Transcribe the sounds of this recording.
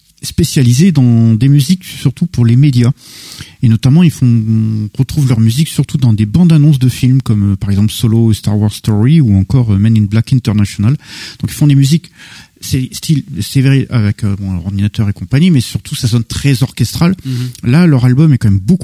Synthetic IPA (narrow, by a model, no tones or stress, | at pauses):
spesjalized̪ɑ̃d̪emyziksyʁt̪upuʁlemed̪ja | enɔt̪amɑ̃ilfɔ̃ʁət̪χuvlœʁmyziksyʁt̪ud̪ɑ̃d̪ebɑ̃d̪anɔ̃s̬d̪əfilmkɔmøpaʁɛɡzɑ̃plsolost̪aʁwaʁz̥st̪ɔʁiuɑ̃kɔʁømɛninblakɛ̃t̪ɛʁnasjɔnald̪̥ɔ̃kilfɔ̃d̪emyziksɛst̪ʰilseveʁeʔa̰vɛkøbɔ̃ʁɑ̃d̪inat̪œʁekɔ̃paɲimɛsyʁt̪ʰusasɔnt̪χɛzɔʁkʲɛst̪χalːalœʁalbɔmɛkɑ̃mɛmboku